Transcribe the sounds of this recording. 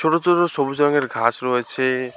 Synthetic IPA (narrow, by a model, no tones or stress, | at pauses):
t͡ʃʰoɽot̪uɾosɔbud͡ʒɔŋeɾɡʱasɾɔɦet͡ʃʰe